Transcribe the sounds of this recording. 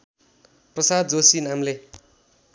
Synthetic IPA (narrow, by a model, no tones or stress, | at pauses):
prʌsad̪̚d͡zosinamle